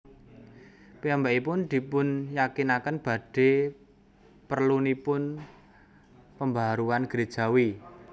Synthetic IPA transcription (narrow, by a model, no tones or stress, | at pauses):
piambaʔipʊnd̪̥i̤pʊnjakinakənb̥ä̤ɖ̥e̤ | pərlunipʊn | pəmbaaɾuanɡ̥ɾe̥ʒ̥a̤wi